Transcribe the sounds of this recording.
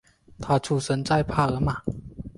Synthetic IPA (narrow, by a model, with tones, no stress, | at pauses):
t̪ʰa˥˩t͡sʰu˥˩sə˧˦nt͡sa˥˧ɪpʰa˥˩ɤ˧˦ma˨˩˦